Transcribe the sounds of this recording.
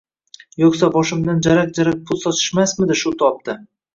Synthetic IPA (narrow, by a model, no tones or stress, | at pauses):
joksabɒʃɪmd̪and͡ʒaɾak̚d͡ʒaɾak̚pʰʊlˠsɒt̪ʰɪ̥ʃmasmɪd̪ɪʃʊt̪ʰɒp̚t̪ɪ